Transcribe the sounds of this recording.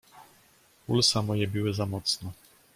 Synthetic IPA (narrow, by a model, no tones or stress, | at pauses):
ulsamɔjɛbʲɘwɘzamɔt̪snɔ